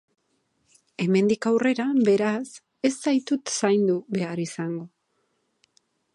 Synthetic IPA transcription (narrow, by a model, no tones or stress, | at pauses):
e̞me̞nd̪ikawre̞ɾabe̞ɾas | e̞st̪ajt̪ut̪sajnd̪uβe̞aɾisaŋɡo̞